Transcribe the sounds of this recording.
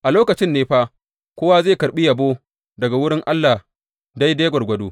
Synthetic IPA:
ʔa˨loː˦kɐ˨t͡ʃɪ˦nːeː˦ɸaː˦ | kʷoː˦wa˦zeː˦˨kɐ˨ɓi˦jɐ˨boː˦ | dɐ˨ɡa˨wʊ˦ɽɪ˦ŋʔa˦lːa˨ | da˦jdeː˦ɡʷɐ˨rɡʷɐ˦doː˦

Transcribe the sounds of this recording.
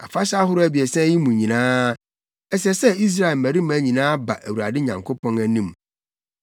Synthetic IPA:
a̰˨fa˦ɕa˦ɦʊ˦ɾʊ˦æ˨bi˨ɛ˨sɛ̃˦ji˦mũ˨ɲĩ˨nãː˦ | ɛ˦s̬ɛ˦sɛ˦i˦s̬ɾa˦e˨lmæ̃˨ɾi˦mæ̃˨˦ɲĩ˨nãː˦ba̰˨ʔæ˨wu˨ɾa˨dɪ˦ɲã˨ŋkʰo˦pɔ̃˦næ˨nĩ˦m

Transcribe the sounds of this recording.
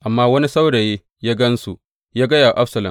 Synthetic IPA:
ʔa˨mːaː˦wɐ˦ni˦sa˦wɽeː˨jeː˦ | jaː˦ɡɐ˦nsu˨ | jaː˦ɡɐ˦jaː˨ʔa˦ɸsɐ˨lɐ̰˨m

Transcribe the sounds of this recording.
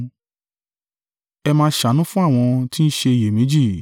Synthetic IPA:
ɛ˧mãː˧˦ʃa˨˦nũ˦fũ˦a˦˨w̃ɔ̃˧ti˦n̩˦ʃe˧˨je˨mĩ˨˦d͡ʒi˦˨

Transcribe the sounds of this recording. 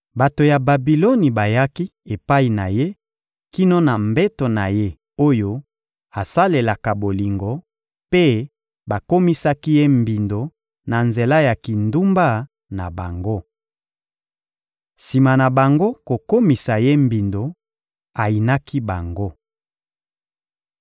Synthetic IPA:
ba˨to˨ja˨ba˨bi˨lo˦ni˨ba˨ja˦ki˦e˨pa˦i˨na˨je˦ | ki˦no˦na˨mbɛ˦to˨na˨je˦ | o˦jo˦ | a˨sa˦le˨la˨ka˨bo˨li˨ŋɡo˨ | pe˦ | ba˨ko˦mi˦sa˦ki˦je˦mbi˨ndo˨ | na˨nze˨la˦ja˨ki˨ndu˦mba˦ | na̰˨ba˨ŋɡo˦ | si˨ma˨na˨ba˨ŋɡo˦ko˨ko˦mi˨sa˨je˦mbi˨ndo˨ | a˨i˨na˦ki˦ba˨ŋɡo˦

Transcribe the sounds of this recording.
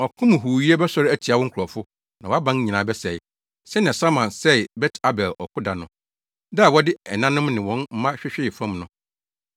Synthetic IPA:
ɔ˨kʰʊ̃˦m˨ɦu˨ɥi˦e˦bɛ˦sɔ˦ɾɪ˦æ˦tʰi˨a˨wɔ˦ŋ̩˦kʰʊ˨ɾɔ˨fʊ˦ | nã˨ɔ˨˦a˦bã˦n˦ɲĩ˨nã˨bɛ˦sɛ˨ɪ˦ | sɛ˦nã˨sa˦mã˨nsɛ˦˨bɛ˦tʰa˦bɛ˨lɔ˨kʰʊ˦da˨nʊ̃˨ | da˦a˨wɔ˦dɪ˦ɛ˨nã˦nʊ̃˦mnɪ̃˨wɔ̃˦nm̩˦mã˦ɕᶣɪ˦ɕᶣɪ˦˨fã˦mnʊ̃˦

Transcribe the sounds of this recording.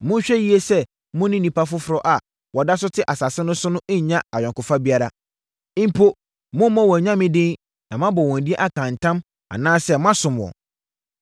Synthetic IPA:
mʊ̃˦ɕᶣɛ˦ji˦e˦sɛ˦ | mʊ̃˦nɪ̃˦nĩ˨pʰa˦fʊ˦fʊ˨ɾɔ˦ʔa˨ | wɔ˨da˦s̬ʊ˦tʰɪ˦ʔa˨sa˨sɪ˦nʊ̃˦sʊ˦nʊ̃˦ʔɲ̩˨ɲã˦a˨ɥᶣã˨ŋkʊ˨fa˦bi˦a˦ɾa˦ | ɪ˦m˦pʰo˦ | mʊ̃˦m˦mɔ̃˦wɔ̃˨ɲã˦mɪ̃˦dɪ̃˦n | nã˨mã˦bɔ˨wɔ̃˨n˨di˦e˦ʔa˦kʰã˨n˨tʰã˦m | a̰˨nãː˦sɛ˦mã˦sʊ̃˨m˨wɔ̰̃˨

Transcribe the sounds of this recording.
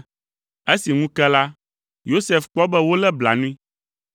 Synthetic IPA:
e˦si˨ŋũ˦kɛ˦la˦ | jo˦sɛ˨fk͡pɔ˦bɛ˦wo˦lɛ˦bla̰˨nũ˦ĩ˦

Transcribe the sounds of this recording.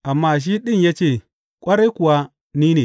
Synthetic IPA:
a˨mːa˦˨ʃ̬i˦ɗi˦nje˦t͡ʃe˦˨ | kʷʼa˦ɾe˦ku˨wa˦ | ni˦ne˨

